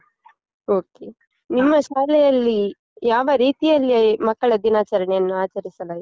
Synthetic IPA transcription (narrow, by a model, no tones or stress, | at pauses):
oːke | nimːɐʃaːlɛjɐlːi | jaːʋɐɾiːt̪ijɐlːimɐkːɐɭɐd̪inaːt͡ʃɐɾɐɳɛjɐnːuaːt͡ʃɐɾisɐla